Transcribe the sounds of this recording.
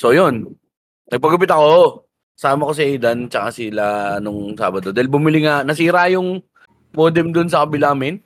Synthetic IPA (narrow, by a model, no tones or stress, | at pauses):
so̞jonː | ɐɡ̚pɐɡʊpɪt̪ɐko̞ | saːmɐko̞sɪʔɛjd̪ɐnt͡ʃɐkasɪlanʊŋsa̰ːbɐd̪o̞d̪aːhɪlbʊmɪlɪŋanɐsiːɾajʊŋ | poːd̪ɛmd̪ʊns̬ɐkɐbɪlamɪn